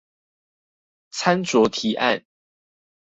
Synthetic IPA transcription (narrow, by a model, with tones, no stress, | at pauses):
t͡sʰa˦nt͡swɔ˨˥t̪ʰi˨˥˦ʔa̰˥˨n